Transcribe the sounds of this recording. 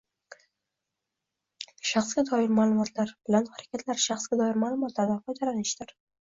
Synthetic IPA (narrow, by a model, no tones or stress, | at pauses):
ʃɑχsɡʲad̪ɒjɪɾmaːlˠʊmɒt̪ʰlaɾbɪlanhaɾakʲʰat̪ʰlaɾʃɑχsɡʲad̪ɒjɪɾmaːlˠʊmɒt̪ʰlaɾd̪anfɒjd̪alanɪʃd̪ɪɾ